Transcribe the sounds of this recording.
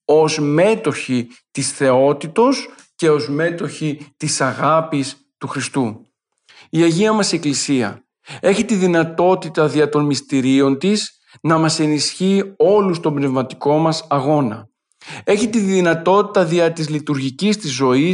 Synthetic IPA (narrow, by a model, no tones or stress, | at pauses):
o̞zme̞t̪o̞çit̪isθe̞o̞t̪it̪o̞s | ce̞o̞zme̞t̪o̞çit̪isɐɣɐpis | t̪uxɾist̪u | iɐʝiɐmɐse̞klisiɐ̰ | e̞çit̪iðinɐt̪o̞t̪it̪ɐðiɐt̪o̞nmist̪iɾio̞nt̪is | nɐmɐse̞nisçio̞lust̪o̞mbne̞vmɐt̪i̥ko̞mɐsɐɣo̞nɐ | e̞çit̪iðinɐt̪o̞t̪it̪ɐðiɐt̪izlit̪uɾʝicist̪izo̞i